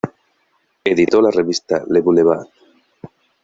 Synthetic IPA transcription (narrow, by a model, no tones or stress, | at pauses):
ed̪it̪ɔlarevist̪alebuneβat̪